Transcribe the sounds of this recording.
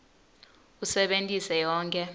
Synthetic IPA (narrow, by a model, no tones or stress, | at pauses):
usɛɓentʼisɛjɔːŋkʼɛ